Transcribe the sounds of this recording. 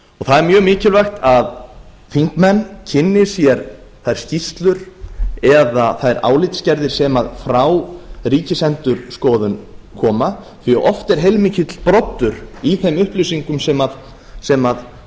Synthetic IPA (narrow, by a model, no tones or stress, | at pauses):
ɔɣθaðɛɾmjœːɣmɪːcɪlvajxt̪að | θiŋkmɛnːcʰɪnːɪ̥sjɛɾθajɾ̥scist̪lʏɾɛðaθaɾa̰ːwlɪt̪scɛɾðɪɾ̥sɛmaðfɾaːwriːcɪsɛnt̪ʏɾ̥skɔːðʏnkʰɔːma | θiaʔɔft̪ɛɾ̥ɦejlmiːcɪt̪l̥pɾɔt̪ːʏɾiθejmʏhplʏɥsiŋkʏmsɛmað | sɛmað